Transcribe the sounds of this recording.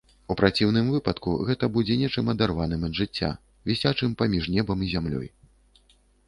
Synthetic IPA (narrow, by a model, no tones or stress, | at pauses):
upɾat͡sʲiwn̪ɨmvɨpɐt̪kṵɣɛt̪ɐbud͡zʲɛnʲɛt͡ʂɨmɐd̪arvanɨmɐd̪ʐɨt͡sʲːa̰ | vʲisʲat͡ʂɨmpamʲiʐnʲɛbɐmizʲamlʲɔ̰j